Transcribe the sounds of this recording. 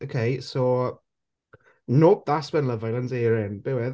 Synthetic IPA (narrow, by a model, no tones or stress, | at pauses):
okʰejso | nop̚ðaswɛnləvajlə̃nzeːɹɪnb̥ewɛ